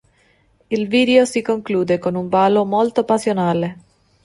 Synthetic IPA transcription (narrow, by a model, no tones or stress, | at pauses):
ilviːd̪eosikoŋkluːd̪ekonuɱvaːlomolt̪opasjonaːle